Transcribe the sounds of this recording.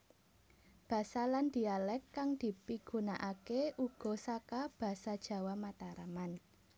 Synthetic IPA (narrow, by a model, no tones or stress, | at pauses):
b̥a̤saland̪̥i̤alɛkːaŋd̪̥i̤piɡ̥unaʔakeʔuɡ̥ɔ̤sakab̥a̤sad̥ʒ̥ä̤wamat̪aɾaman